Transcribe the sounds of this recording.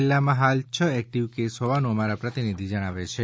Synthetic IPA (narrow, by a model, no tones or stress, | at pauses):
lːamãɦalt͡ʃʰəɛk̚ʈiʋkesɦɔʋanuəmaɾapɾət̪inid̪ʱid͡ʒəɽ̃aʋet͡ʃʰe